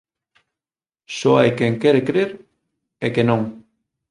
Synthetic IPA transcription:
soajkeŋkɛɾekɾeɾ | ekenõŋ

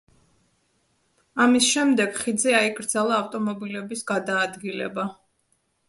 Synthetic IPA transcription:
amisʃɛmd̪ɛɡ̥χid̪zɛaikʼɾd̪zalˠaːft̪ʼɔmɔbilɛbisɡad̪aːd̪ɡilɛ̰ba

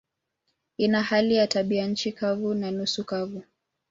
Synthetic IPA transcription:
inahalijataɓiaɲ̩t͡ʃikavunanusukavu

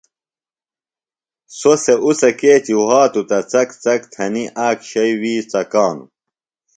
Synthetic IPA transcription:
soseʔusɐkeːt͡ɕiɦaːt̪ut̪ɐt͡sɐkt͡sɐkt̪ʰɐniʔaːkɕɐjwiːt͡sɐkaːnṵ

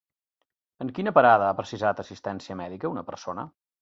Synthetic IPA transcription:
əŋkinəpəɾaðəapɾəsizat̪əsist̪ɛnsiəmɛðikəunəpəɾsonə̰

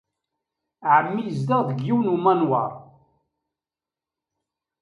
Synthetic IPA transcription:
ʕəmːijəzd̪əʁðəɡjiwnumænwɑ̰ɾˤ

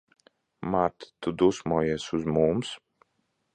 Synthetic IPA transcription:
maɾt̪t̪ud̪usmuːjiɛsuzmums

